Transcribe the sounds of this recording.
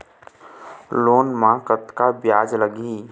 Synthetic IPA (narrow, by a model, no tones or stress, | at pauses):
loːnmãkət̪kabjaːd͡ʒləɡi